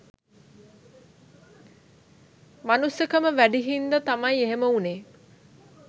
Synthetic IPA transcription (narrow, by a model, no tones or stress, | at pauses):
manusjəkəməʋæɖiɦind̪ət̪amɐjeɦeməuneː